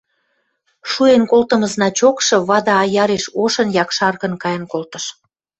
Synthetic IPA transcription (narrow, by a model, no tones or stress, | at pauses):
ʃuenkolt̪ə̆mə̆znɑt͡ɕokʃɤ̆βɑd̪ɑːjɑɾeʃoʃə̆njɑkʃɑrɣə̆nkɑjə̆nkolt̪ə̆ʃ